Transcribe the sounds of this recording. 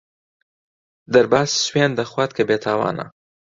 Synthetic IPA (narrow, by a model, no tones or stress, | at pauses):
d̪əɾbɑsswend̪əxwat̪̚kabet̪ʰɑːwɑ̰ːna̰